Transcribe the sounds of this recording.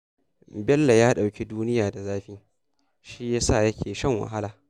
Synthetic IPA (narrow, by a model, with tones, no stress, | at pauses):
bɛ˦lːa˨jaː˦ɗa˨wkʲe˦duː˦nɪ˦jaː˨da˨zaː˦ɸɪ˦ŋ | ʃi˦jaː˦sa˦˨jɐ˦kʲʰeː˨ʃɐ˦˨ŋwa̰˨ɦa˦laː˨